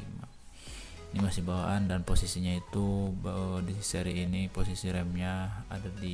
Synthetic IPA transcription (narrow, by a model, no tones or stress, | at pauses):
ima̰ | inimasihbawa̰ʔandanposisiɲait̪u | disiseɾiːniposisiɾɛmɲaa̰dadi